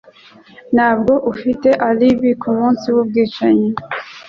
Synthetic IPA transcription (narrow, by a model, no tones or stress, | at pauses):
nhaːb̚ɡo̞ʔufite̞ʔaliβikʰumuːnsiwub̚ɡiːt͡ʃaɲe